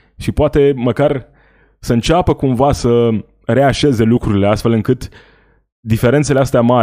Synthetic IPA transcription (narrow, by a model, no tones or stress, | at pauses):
ʃipoat̪e̞məkar | səɨnt͡ʃapəkumvasə | ɾe̞aʃe̞ze̞lukɾuɾile̞ast̪fe̞lɨŋkɨt̪ | d̪ife̞ɾe̞nt̪seleast̪eama